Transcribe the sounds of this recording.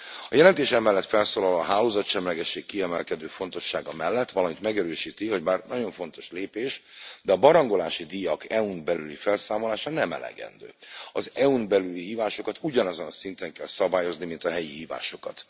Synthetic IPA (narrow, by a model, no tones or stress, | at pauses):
ɒjɛlɛnt̪eːʃɛmɛlːɛt̪fɛlsoːlɒlːɦaːloːzɒt̪ʃɛmlɛɡɛʃːeːkːiɛmɛlkɛd̪øːfo̞nt̪o̞ʃːaːɡɒmɛlːɛt̪ːʋɒlɒmit̪mɛɡɛɾøːʃiːt̪iɦho̞ɟmaːrnɒɟo̞ɱfont̪o̞̥ʃleːpeːʃd̪ɛɒbɒɾɒŋɡo̞laːʃid̪ijɒkʰɛunbɛlylifɛlsaːmo̞laːʃɒnɛmɛ̰lɛ̰ɡɛ̰nd̪ø̰ːɒzɛunbɛlyliɦiːvaːʃo̞kɒt̪uɟɒnɒzo̞nɒsint̪ɛŋkɛlsɒbaːjo̞znimint̪ɒɦɛjiɦiːva̰ːʃo̞kɒt̪